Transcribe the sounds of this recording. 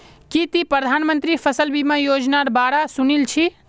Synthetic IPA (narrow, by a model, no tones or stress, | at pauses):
kit̪ipɾəd̪ʱanmənt̪ɾipʰəsəlbimajod͡ʒnaɾbaɾasunilt͡ʃʰi